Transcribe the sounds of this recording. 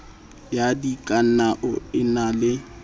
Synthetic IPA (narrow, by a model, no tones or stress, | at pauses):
jadikʼan̩aʔʊɪnalɪ